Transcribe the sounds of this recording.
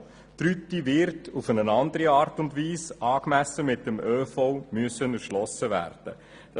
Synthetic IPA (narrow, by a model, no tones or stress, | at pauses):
t̪ɾytivɪɾtʰufənənɑnd̪əɾiɑːrtʊndviːsʔɑːkmæsəmɪt̚ːəmøːfɔwmyəsənərʃlɔsːəvæ̰ːɾd̥ə̰ | d̥ɑ